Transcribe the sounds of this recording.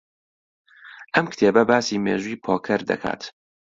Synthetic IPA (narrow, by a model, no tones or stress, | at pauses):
ʔɐmkt̪ʰeːbɐbaːsiːmḛːʒuːiːpʰoːkʰɐɾd̪ɐ̰kʰa̰ːt̪